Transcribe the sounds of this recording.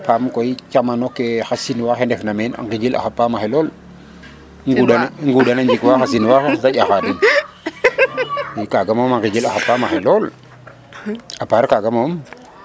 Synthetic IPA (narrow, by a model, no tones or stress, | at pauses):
pamkoikamanokexasinwaxendefnamena̰ŋɡiɡila̰xapːamaxelol | ŋɡuanŋɡudanand͡ʒikwaxas̬inwaxeatajʲaxadin | ikaɡamoaŋɡiɡilaxapːamaxelol | apaɾkaɡamom